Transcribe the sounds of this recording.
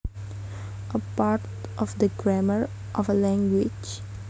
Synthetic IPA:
əpaːɾʈ | ʔɔʋd̪əɡɾæməɾ | ʔɔʋəlæ̃ŋɡwɪd͡ʒ

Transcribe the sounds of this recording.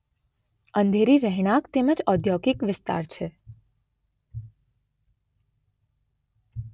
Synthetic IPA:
ənd̪ʱeɾiɾɛɦɳ̃ãkt̪eməd͡ʒɔd̪ʱjokɪkʋɪst̪a̰ɾt͡ʃʰe

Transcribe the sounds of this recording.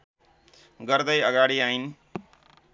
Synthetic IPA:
ɡʌɾd̪ʌjʌɡaɽiain

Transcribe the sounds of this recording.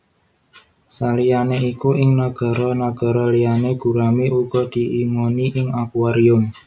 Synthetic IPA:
salijaneikuʔɪŋnaɡ̥a̤ɾɔnaɡ̥a̤ɾɔlijaneɡ̥ṳɾamiʔuɡ̥ɔd̪̥i̤ʔiŋoniʔɪŋakuaɾiʊm

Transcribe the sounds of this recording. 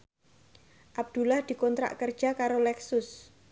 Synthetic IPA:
ʔab̚d̪̥ulahd̪̥i̤kɔnt̪ɾa̰ʔkərd̥ʒ̥a̤kaɾolɛksʊs

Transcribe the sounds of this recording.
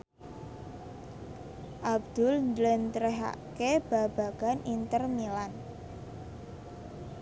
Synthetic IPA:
ʔab̚d̪̥ʊlnd̪lɛnt̪ɾɛɦa̰keb̥a̤b̥a̤ɡ̥a̤nint̪ərmilan

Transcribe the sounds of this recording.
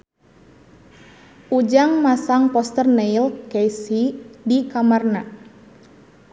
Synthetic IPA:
ʔud͡ʒaŋmasaŋpɔst̪ərneilkejsidikamarna

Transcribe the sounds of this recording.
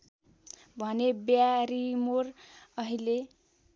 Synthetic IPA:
bʱʌnebjaɾimorʌɦile

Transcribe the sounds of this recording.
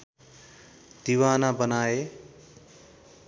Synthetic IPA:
d̪̥iwanabʌnae

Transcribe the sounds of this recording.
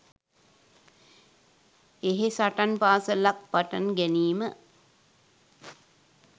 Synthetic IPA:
eɦesaʈanpaːsəlak̚paʈanɡæniːmə

